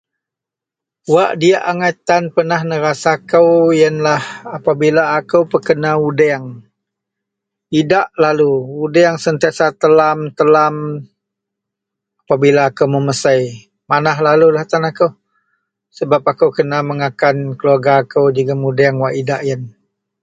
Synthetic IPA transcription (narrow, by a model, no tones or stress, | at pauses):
waʔdiaʔaŋat̪anpənahnəɾasakəwjənlahapabilaːkəwpəkənaudɛaŋ | idaʔlaluudɛaŋsənt̪iasat̪əlamt̪əlam | apabilaːkəwməməsəj | manaɦlalulaht̪anakəw | səbap̚akəwkənaməŋakankəluaɡaːkəwd͡ʒəɡəmudɛŋwaʔidaʔjən